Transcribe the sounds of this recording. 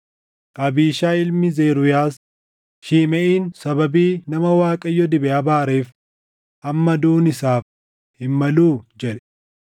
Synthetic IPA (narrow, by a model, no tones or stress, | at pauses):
ʔʼɐbiːʃaːɪlmɪzeːɾʊjaːs | ʃiːmɛʔiːnsɐbɐbiːnɐmɐwaːkʼɐjːɔd̪ɪbɛʔaːbaːɾeːf | ʔɐmːɐd̪uːnɪsaːf | hɪmːɐluːd͡ʒɛᶑɛ̥